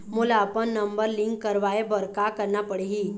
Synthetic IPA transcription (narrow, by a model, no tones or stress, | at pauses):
mulaːpəɳːəmbəɾliŋkːəɾʋaebəɾkakəɾnapəɽeɦi